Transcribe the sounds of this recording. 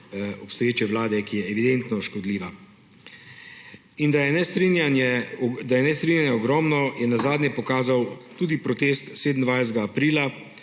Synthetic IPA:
ɔpst̪ɔjeːt͡ʃɛʋlaːd̪ɛkijɛːʋid̪ent̪nɔʃkɔd̪liːʋa | ind̪ajɛnɛsɾinjanjɛd̪ajɛnɛst̪ɾinʲjanjɛɔɡɾɔːmnɔjɛnazaːd̪njɛpɔkaːzawt̪uːd̪ipɾɔt̪eːst̪seːd̪nd̪ʋajzd̪ɡaːpɾiːla

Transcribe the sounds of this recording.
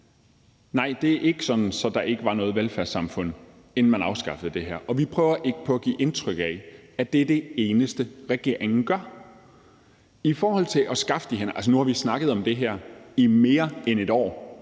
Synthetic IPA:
nɑ̈ɪ̰d̥e̝æʔe̝ɡ̥əsɒ̽d̥n̩sɒ̽d̥ɑ̈ʔe̝ɡ̥əʋɑ̈nɔ̽ːð̞̩ˠʋelfæɐsɑ̈mfɔ̽n̰ | enn̩mænɑ̈ʊsɡ̥ɑ̈fəð̩ˠd̥e̝ɦæɐ̰ʔɒ̽ʋipʰʁœːʊɐʔe̝ɡ̥ə̥pʰɒ̽æɡ̥ḭːʔe̝nt͡sʰʁœɡ̥ææd̥ed̥e̝e̝ːnəsd̥əʁɛɡ̥e̝ɐ̰e̝ŋn̩ɡ̥ɶɐ̰ | ifɒːhɒ̽l̰t͡sʰe̝lʔɒ̽sɡ̥ɑ̈fəd̥iɦenəʔælsənuhɑ̈ʋisnɑ̈ɡ̥ð̞̩ˠɒ̽md̥e̝ɦæɐ̰ime̝ːɐene̝d̥ɒ̰ː

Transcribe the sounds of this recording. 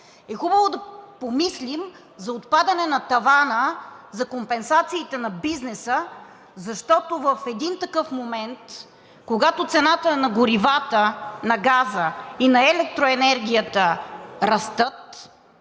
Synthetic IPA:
ɛxubəvod̪ɐpomislim | zɐot̪pad̪ɐnɛnɐt̪ɐvanəzɐkompɛnsat̪siːt̪ɛnɐbiznɛsə | zɐʃt̪ɔt̪ovəfɛd̪int̪ɐkɤfmomɛnt̪ | koɡat̪ot̪sɛnat̪ənɐɡʊɾivat̪ənɐɡazəinɐɛlɛk̚t̪ɾoɛnɛɾɡ̟ʲijət̪əɾɐst̪ɤt̪

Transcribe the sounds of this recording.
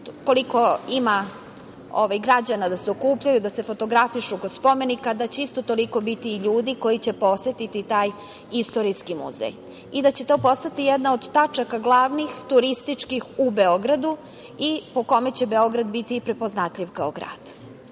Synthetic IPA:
ko̞liko̞ima | o̰ʋajɡɾad͡ʑanad̪aseokuːpʎajud̪ase̞fo̞t̪o̞ɡɾafiʃukod̪spo̞me̞nikad̪at͡ɕeist̪o̞t̪o̞liko̞bit̪iːʎuːd̪iko̞jit͡ɕe̞po̞sʋe̞t̪it̪it̪aːj | ist̪o̞ɾiskimṵzḛj | id̪at͡ɕe̞t̪o̞ːpo̞st̪at̪ijed̪naod̪ːat͡ʂakaɡlˠaʋnixt̪uɾist̪it͡ʂkixubeo̞ɡɾad̪u | ipo̞ko̞met͡ɕe̞be̞o̞ɡɾad̪bit̪iːpɾepo̞znat̪ʎʲiʋkaoɡɾa̰ːd̪̥

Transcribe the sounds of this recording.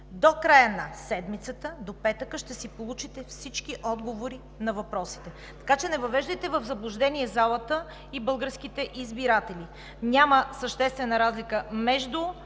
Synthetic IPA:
d̪okɾajənɐsɛd̪mit̪sət̪əd̪opɛt̪əkəʃt̪ɛsipolˠut͡ʃit̪ɛfsit͡ʃk̟iʔɔd̪ɡovoɾi | nɐvɐpɾɔsi̥t̪ɛ | t̪ɐ̥kat͡ʃɛnɛvɐvɛʒd̪əjt̪ɛvəvzɐblˠʊʒd̪ɛnʲiɛzalˠət̪ə | ibɤlˠɡəɾsk̟it̪ɛʔizbiɾat̪ɛlʲi | nʲaməsəʃt̪ɛst̪vɛnəɾazlikəmɛʒd̪u

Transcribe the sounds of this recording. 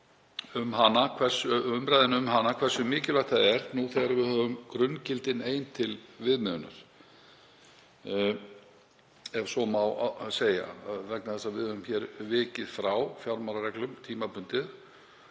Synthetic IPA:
ʏmɦanːakʰvɛrsʏʏmpɾajðɪnɪʏmɦanːakʰvɛr̥sʏmɪːcɪlaxt̪θaðɛɾ̥nuθɛɣaɾvɪðhœːvʏmkɾʏncɪlt̪ɪneːjnt̪ʰɪlvɪðmʏðnʏ̰ɾ̥ | ɛv̥sɔmawseːja̰ðvɛknaðθɛsavɪðmʏʏmçɛɾvɪːcɪðfɾawfjawɾmaɾarɛklʏmt̪ʰiːmapʰʏnt̪ɪð

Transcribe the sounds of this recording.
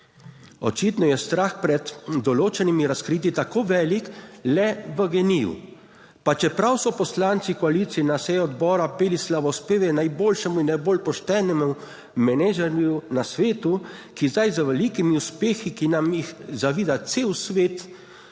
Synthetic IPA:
ɔ̰t͡ʃit̪nɔjɛst̪ɾaxpɾɛd̪ːɔloːt͡ʃɛnimiɾaskɾiːt̪̬it̪akoːʋɛːliklɛʋəɡɛnijṵ | pat͡ʃɛpɾawsɔpɔslaːnt̪sikɔaliːt̪siɛnasɛjɔɔd̪bɔːɾapeːlislaʋɔspeːʋɛnajboːlʃɛmuinːajboːlpɔʃt̪ɛːnɛmu | mɛnɛʒɛɾjunasʋeːt̪ukizd̪ajzəʋɛlikimiuspeːxikinamjixzaʋiːd̪at̪seːwsʋeːt̪

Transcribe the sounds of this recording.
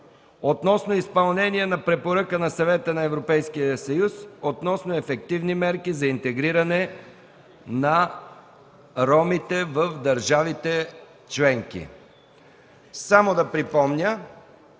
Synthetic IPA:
ot̪nɔsnoispɐlˠnɛniɛnɐpɾɛpoɾəkənɐsɐvɛt̪ənɐɛvɾopɛjskijəsɐjusot̪nɔsnoɛfɛkt̪ivnimɛɾkizɐint̪ɛɡɾiɾɐnɛ | nɐ | ɾɔmit̪ɛvəfd̪ɐɾʒavit̪ɛ | t͡ʃlɛŋk̟ḭ | samod̪ɐpɾipɔmnʲə

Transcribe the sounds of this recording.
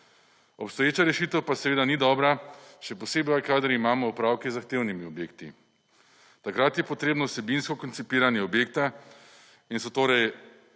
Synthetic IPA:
ɔpst̪ɔjeːt͡ʃaɾɛʃit̪əwpasɛʋeːd̪anid̪ɔːbɾaʃɛpɔseːbajkad̪əɾimaːmɔupɾaːwkizaxt̪eːwnimiɔbjeːkt̪ḭ | t̪akɾat̪jɛpɔt̪ɾeːbnɔwsɛbinskɔkɔnsipiːɾanjɛɔbjeːkt̪a | insɔt̪oːɾɛj

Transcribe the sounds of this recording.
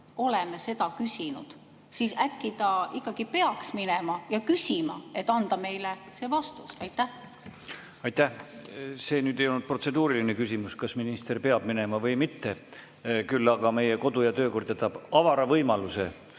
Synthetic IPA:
o̞lemese̞d̪ɑkysʲinṵd̪̥ | sisækːˑid̪ɑikːˑɑɡ̥ipe̞ɑksminemɑjɑkysʲimɑ̰e̞t̪ːˑɑnd̪̥ɑme̞jlese̞ːvɑst̪usɑjt̪ːˑæh | ɑjt̪ːæhse̞ːnyːd̪ejo̞lnːud̪̚pro̞t̪se̞d̪uːɾilinekysʲimuskɑsminist̪erpe̞ɑb̥mine̞mɑvɤjmit̪ːe | kylːɑɡ̥ɑme̞jeko̞d̪̥ujɑt̪øːko̞rd̪et̪ːˑɑb̥ɑvɑɾɑvɤjmɑlusḛ

